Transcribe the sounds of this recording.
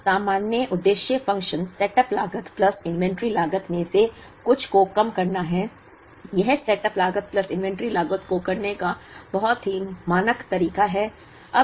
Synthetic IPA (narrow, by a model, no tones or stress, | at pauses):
saːmaːnjəʔʊd̪ːeːʃjəfɐ̃ŋkʃənsɛʈəplaːɡət̪plɐsɪ̃nʋɛ̃ɳʈɾilaːɡət̪mẽse | kʊt͡ʃʰkokɐmkɐɾnaɦɛ | jɐɦsɛʈəplaːɡət̪̚plɐsɪ̃nʋɛ̃ɳʈɾilaːɡət̪kokɐɾnekabɐɦɔt̪ɦimaːnəkt̪ɐɾiːkaɦɛː | ɐ